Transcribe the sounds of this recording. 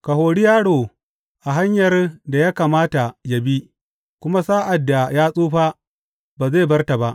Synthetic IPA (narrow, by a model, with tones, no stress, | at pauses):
ka˨ɦoː˨ɽi˦jaː˦ɽoː˨ | ʔa˨ɦa˦ɲjɐ˨rda˨ja˦kaː˨maː˦ta˨ja˨bi˦ | kʷʊ˦ma˦saː˦ʔa˨dːa˨jaː˦sʼuː˦ɸaː˦ | baː˨ze˦˨bɐ˦rta˨ba˦ʔ